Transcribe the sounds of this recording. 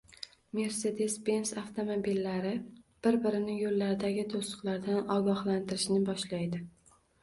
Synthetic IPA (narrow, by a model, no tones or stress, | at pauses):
me̞ɾse̞d̪e̞spe̞nsaft̪ʰo̞mobilːaɾɪb̥ɪɾbɪɾɪnɪjolːaɾɪd̪aɡʲɪt̪ʰosʊ̥qlˠaɾd̪anɒɡɒhlant̪ɪɾɪʃnɪbɒʃlajd̪ɪ